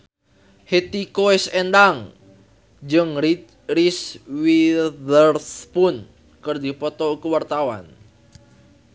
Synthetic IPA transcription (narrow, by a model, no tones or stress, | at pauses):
het̪ikoɛsɛnd̪aŋ | d͡ʒɨŋ | riswidərspʊn | kɨrdipɔt̪ɔukəwart̪awa̰n